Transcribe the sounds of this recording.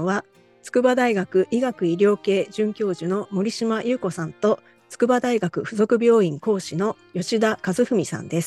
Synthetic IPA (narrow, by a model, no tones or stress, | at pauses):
βa | t͡sɨ̥kɯ̟bad̪aiɡakɯ̟ʔiɡakɯ̟iɾʲo̞ːke̞ːʑɨ̃ŋkʲo̞ːʑɨno̞mo̞ɾʲiɕimajɯ̟ːko̞sãnt̪o̞ | t͡sɨ̥kɯ̟bad̪aiɡakɯ̟ɸɯ̟zo̞kɯ̟bʲo̞ːĩŋko̞ːɕino̞jo̞ɕid̪akazɨɸɯ̟mʲisã̰nd̪e̞sɨ̥